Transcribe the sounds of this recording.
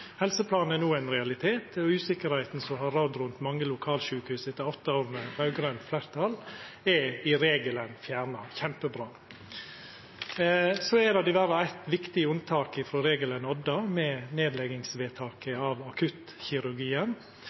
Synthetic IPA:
hɛlsəpʰlɑːn̩ɛnuːæɪnɾɛɑlɪt̪ʰeːt̪ɔʉːsɪkəɾhæɪt̪n̩sɔɦɑɾːɑd̪ɾʉnt̪mɑŋːəlʊkʰɑːlʃʉːkəhʉːsɛt̪ːɑɔt̪ːɑoːɾnəʋɑʉɡɾœnflæɾt̪ʰɑl | ɛɪɾeːɡələnfjæːɾnɑçɛmpəbɾɑː | sɔɛd̪ɑd̪ɪʋæɾɑæɪt̪ʋɪkt̪ɪʊnt̪ʰɑːkɪfɾoːɾeːɡələnɔd̪ɑmɛneːd̪lɛɡɪŋsʋeːt̪ʰɑːkəɑːʋɑkʰʉt̪ | çɪɾʉɾɡiːən

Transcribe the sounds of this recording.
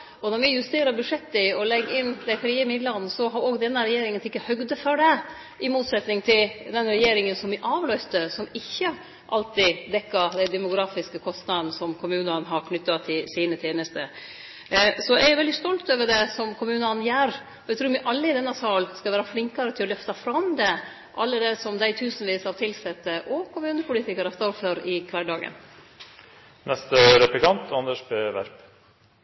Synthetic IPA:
ɔnɔɾʋɪjʉst̪eːɾəɾbʉʂɛt̪ːəɪɔlɛɡɪnːd̪æɪfɾiːəmɪd̪lɑnsɔɦɑɾoːɡd̪ɛnːəɾɛjeːɾɪŋənt̪ʰɪkːəhœɡd̪əfœɖɛ | ʔɪmuːt̪sɛt̪nɪŋt̪ʰɪld̪ɛnɾɛjeːɾɪŋənsɔmʋɪʔɑːʋlœʏst̪əsɔmɪçːə | ʔɑlt̪ɪd̪ɛkːɑɾd̪ɛɪd̪ɛmʊɡɾɑːfɪskəkʰɔst̪nɑd̪n̩sɔmkʰʊmʉːnənɦɑɾkʰnʏt̪ːɑt̪ʰɪlsiːnət̪ʰeːnəst̪ə | sɔæɾjʊʋɛld̪ɪst̪ɔlt̪øːʋəɖɛsɔmkʰʊmʉːnɑnjæːɾ | ɔæɪt̪ɾuːɾʋɪʔɑlːəɪd̪ɛnːɑsɑːlskɑʋæːɾɑflɪŋkɑɾət̪ɪlɔlœft̪ɑfɾɑmd̪ɛ | ʔɑlːəd̪ɛsɔmd̪æɪt̪ʰʉːsən̩ʋiːshɑɾt̪ʰɪlsɛt̪ːəʔɔkʰʊmʉːnəpʰʊlɪt̪ʰɪkəɾɑst̪ɑɾføɾɪkʰʋɑɖɑːɡə̰n | nɛst̪əɾɛplɪkɑnt̪ʰɑnəʂbeːʋæ̰ɾp

